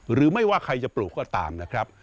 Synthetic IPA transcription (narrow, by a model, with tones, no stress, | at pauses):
ɾɯː˩˦ma˥˩jwaː˥˩kʰa˧jt͡ɕa˨˩pluː˨˩kːɔː˥˩t̪a̰ː˧mna˦˥kʰɾa˦˥p̚